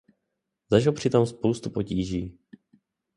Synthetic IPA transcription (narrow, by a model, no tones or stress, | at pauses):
zaʒɪlpr̝̥ɪt̪omspowst̪upociːʒiː